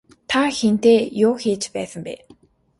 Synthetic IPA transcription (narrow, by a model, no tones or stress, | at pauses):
t̪ʰaxen̥t̪eːjʊːxiːt͡ɕpæ̰ːsə̆mpḛː